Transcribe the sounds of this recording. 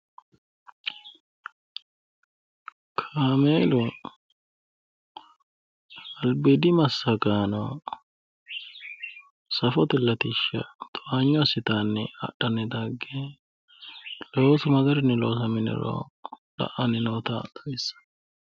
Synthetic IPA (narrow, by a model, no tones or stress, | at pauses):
kʰaːmeːlʊ | ɐlbɪd̪ɪmɐsːɐɡaːnɔ | sɐfɔt̪ɪlːɐt̪ɪʃːɐ̰t̪ʼɔʔaɲːɔsɪt̪anːɪɐ̰ɗːɐnɛd̪aɡːe | loːsʊmɐɡ̪ɐɾɪnːɪloːsɐmɪnɛ̰ɾo̰ː | lɐ̰ʔɐnɪnoːt̪ɐt̪ɐɪsːɐ̥